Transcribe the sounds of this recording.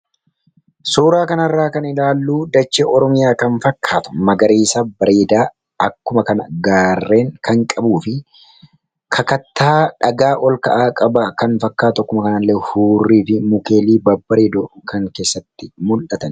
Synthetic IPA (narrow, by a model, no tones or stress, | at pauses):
soːɾaːkɐnɐrːaːkɐnɪlaːlːuːd̪ɐt͡ʃːeʔɔɾɔmɪjaːkɐnfɐkːaːt̪ʊ̥mɐɡɐɾiːsabɐɾeːd̪aː | ɐkːʊmɐkɐnɐ̰ɡaːrːe̞ːŋkʰɐŋkʼɐbuːfɪ | kʰɐkɐt̪ːaːᶑɐɡaːʔɔlkɐ̰ʔaːkʼɐbɐkɐnfɐkːaːt̪ɐkːʊmɐkɐnɐlːehuːrːiːfɪmʊke̞ːliːbɐbːɐɾeːd̪ɔkɐŋke̞ːsːɐt̪ːɪmʊlʔɐt̪ɐn